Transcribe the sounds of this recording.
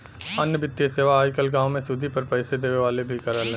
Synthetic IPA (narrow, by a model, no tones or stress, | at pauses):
ɐnjəbɪt̪ːijeseːʋaaːjkəlɡãːʋ̃mẽsʊd̪ʱipɐɾpɛɪsed̪eːʋeʋaːlebʱikɐɾalẽ